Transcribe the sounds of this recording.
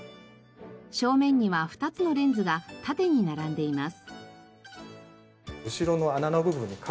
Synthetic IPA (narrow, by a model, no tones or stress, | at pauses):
ɕo̞ːmẽ̞ɲ̟ːiβaɸɯ̟̥t̪at͡sɨno̞ɾẽ̞nd͡zɨɡat̪at̪e̞ɲ̟inaɾãnd̪e̞imasɨ̥ | ɯ̟ɕiɾo̞no̞ananoɡɯ̟bɯ̟̃ɲ̟ːikʰ